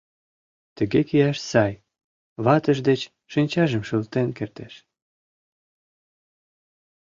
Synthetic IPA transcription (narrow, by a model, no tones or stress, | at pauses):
t̪ə̆ɣekijæʃsɑj | βɑt̪ə̆ʒd̪et͡ɕ | ʃinʲt͡ɕɑʒəmʃult̪enkert̪æʃ